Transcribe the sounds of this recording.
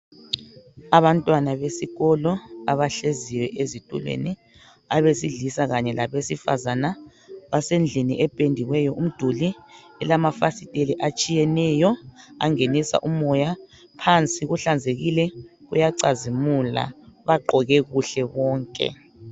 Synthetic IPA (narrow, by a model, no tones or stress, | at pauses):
aβantʼwanaβesiɣɔlɔaβaɬeziwɛʔezitʼṵlwḛni | aβesiɮisaɣaɲɛlaβesifazana | βasend͡ɮʱiniʔɛpʼendʱiɣwɛjɔʔum̩d̥ʱuli | ɛlamafasitʼeliʔat͡ʃʼijɛnɛjɔa̰ŋenisa̰ʔumɔja | pʰant͡sʼiɣuɬand͡zʱeɣilɛɣṵjaǀazimula̰βaǃʱɔɣɛɣuɬɛβɔːŋkʼɛ̰